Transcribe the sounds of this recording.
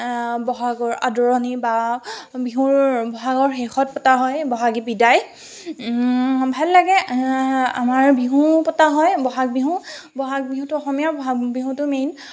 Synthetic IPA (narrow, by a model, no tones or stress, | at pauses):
bɔɦaɡɔɹa̰dɔɹɔnibabiɦubɔɦaɡɔɹxexɔt̚pɔtaɦɔjbɔɦaɡibidaj | bʱalːaɡɛ | a̰maɹbiɦũpɔtaɦɔjbɔɦak̚biɦũbɔɦak̚biɦũtʊɔxɔmijabɔɦabiɦũtʊmejn